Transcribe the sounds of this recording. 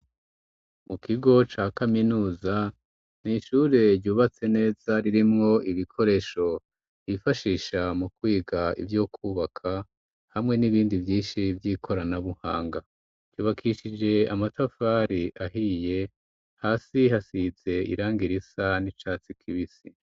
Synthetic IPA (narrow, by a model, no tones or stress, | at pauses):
mukiɡo̞t͡ʃaːkaminuːza | niʃuːɾe̞ɾjuːβat͡se̞ne̞ːzaɾiɾimŋo̞ʔiβikʰo̞ɾe̞ʃo̞ | ifaʃiːʃamukwiːɡaḭvjokʰuːβakʰa | hamŋe̞niβiːndivjiːʃivjiːkʰo̞ɾanaβuha̰ːŋɡa | d͡ʒuːβakʰiʃid͡ʒe̞amatafaɾiʔaɦije̞ | haːsiɦasize̞ḭɾaːŋɡiɾisanit͡ʃaːt͡sikʰiβisi